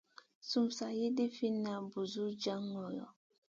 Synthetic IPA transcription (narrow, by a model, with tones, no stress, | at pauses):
su˨msa˨je˦de˦fi˦na˨bu˨zu˦d͡ʒa˦ŋɔ˨jɔ̰˨